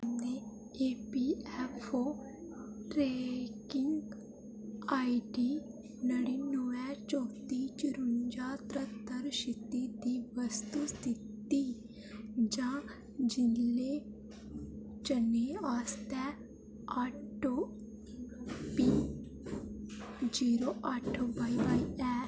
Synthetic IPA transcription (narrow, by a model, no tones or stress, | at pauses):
ne | epiɛfo | ʈɾekiŋɡ | aiɖi | nəɽinuʋat͡ʃɔt̪it͡ʃiɾund͡ʑat̪ɾət̪əɾɕit̪id̪iʋəst̪ust̪ʰit̪ːi | d͡ʑã | d͡ʑilːe | t͡ɕəneast̪ɛ | aʈo | pi | d͡ʑiɾoʔaʈʰobajbajɛ